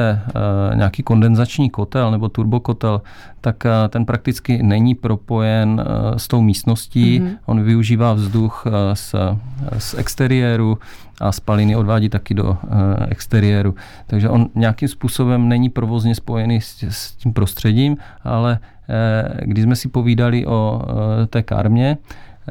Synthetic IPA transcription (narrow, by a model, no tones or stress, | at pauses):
ɛɲɛ̰akiːko̞ndɛnzat͡ʃɲiːko̞t̪ɛlnɛbo̞t̪uɾboko̞t̪ɛl | t̪akt̪ɛnpɾʔak̚t̪ɪt͡skɪnɛɲipɾo̞po̞jɛnst̪o̞wmiːst̪no̞sciːʔonvɪuʒiːvaːvzduxs | sʔɛ̰kst̪ɛɾɪjɛɾu | ʔaspalɪnɪo̞dvaːɟiːt̪akɪdo̞̰ɛ̰kst̪ɛɾɪɛːɾu | t̪aɡʒɛʔo̞nɲɛakimspuːsobɛmnɛɲipɾovo̞zɲɛspo̞jɛnissciːmpɾo̞st̪r̥ɛɟiːmʔa̰lɛ | ɡdɪzmɛsɪpo̞viːdalɪʔo̞t̪ɛːka̰ɾmɲɛ